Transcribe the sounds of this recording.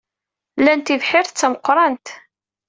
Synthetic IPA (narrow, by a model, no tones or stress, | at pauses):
lænt̪ivħɪɾt͡sːæməqːɾˤɑnt̪